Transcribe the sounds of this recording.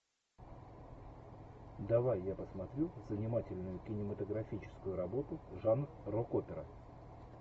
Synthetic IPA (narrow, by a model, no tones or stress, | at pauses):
d̪ɐvajːapəsmɐt̪ɾʲuzənʲɪmatʲɪlʲnʊjʊkʲɪnʲɪmət̪əɡɾɐfʲit͡ɕɪ̥skʊjʊɾɐbo̞t̪ʊʐan | rokopʲɪɾə